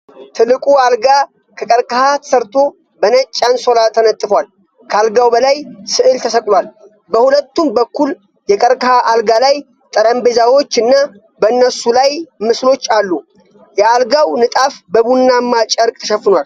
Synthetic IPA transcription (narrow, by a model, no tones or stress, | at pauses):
t̪ʰɨlːɨkʼualɡa | kʰəkʼəɾkʼəhat̪ʰə̥səɾt̪ʰo̞ | bənət͡ʃʼːanso̞lat̪ʰənət̪ʼːɨfwal | kʰəalɡawbəlajsɨʔɨlt̪ʰəsəkʼlwal | bəhulət̪ːumbəkːul | jɛkʼəɾkʼəhaʔalɡalaj | t̪ʼəɾəmbe̞zawo̞t͡ʃːɨnːa | bəɨnːəsulajmɨslo̞t͡ʃːalːu | jɛalɡawnɨt̪ʼafbəβunːamːat͡ʃʼəɾkʼt̪ʰəʃɛfɨnwal